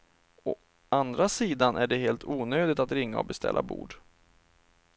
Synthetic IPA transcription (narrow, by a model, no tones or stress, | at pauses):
ɔ | and̪ɾasiːd̪anʔæɖɛɦeːlt̪ʰuːnøːd̪ɪt̪at̪ɾɪŋːaɔbɛst̪ʰɛ̰lːa̰bṵːɖ